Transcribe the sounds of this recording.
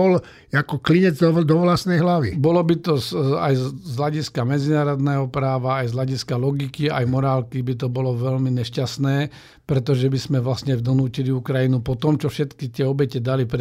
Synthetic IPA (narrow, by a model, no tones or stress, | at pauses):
ɔl | akɔkliɲɛd͡z̪d̪ɔʋlasnɛjɦlaʋḭbɔlɔbit̪ɔza̰jzzɦlaɟiskamɛd͡zinaːɾɔd̪nɛːɦɔpɾaːʋaːjzɦlaɟiskalɔɡikiajmɔɾaːlkibit̪̬ɔbɔlɔʋɛlmiɲɛʃcasnɛː | pɾɛt̪ɔʒɛbismɛʋlasɲɛvd̪ɔnuːciliukɾajinupɔt̪ɔmt͡ʃɔfʃɛt̪kit̪ɪɛɔbɛcɛd̪alipɾ